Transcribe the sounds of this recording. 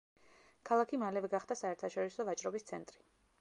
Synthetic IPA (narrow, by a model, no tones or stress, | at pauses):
kʰalˠakʰimalɛvɛɡaχd̪asaɛɾt̪ʰaʃɔɾisɔvat͡ʃʼɾɔbist̪sʰɛnt̪ʼɾi̥